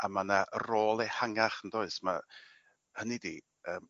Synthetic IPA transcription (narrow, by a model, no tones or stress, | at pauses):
amanaʔəroːlˠehaŋaχəndoːɨsma̰ | hənidi | əːm